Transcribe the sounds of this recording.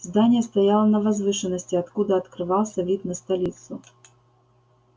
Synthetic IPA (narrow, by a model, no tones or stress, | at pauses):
zd̪anʲijɛst̪ajalˠɐnɐvazvɨʂɨnːɐsʲtʲiat̪kud̪ɐːt̪kɾɨvaw̪ˠsʲɐvʲit̪nɐst̪alʲit̪sʊ